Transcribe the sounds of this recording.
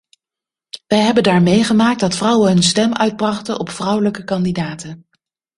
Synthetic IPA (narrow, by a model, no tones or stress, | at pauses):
ʋɛjɦɛbəndaːɹmejχəmaːk̚dɑtfrʌwənɦɵnstɛmœɥd̚brɑχtənʔɔpfrʌwləkəkɑndidaːtən